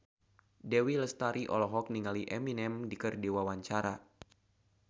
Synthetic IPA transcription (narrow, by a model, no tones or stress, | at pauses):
dɛwiləst̪aɾʔiʔɔlɔɦɔk̚niŋaliʔɛminɛmdikərdewawaɲt͡ʃaɾa